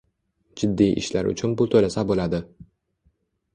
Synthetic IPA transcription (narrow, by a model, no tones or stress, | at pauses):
d͡ʒɪd̪ːijʔɪ̰ʃlaɾʔʊ̰t͡ʃʰʊnbʊt̪ʰolasabolad̪ɪ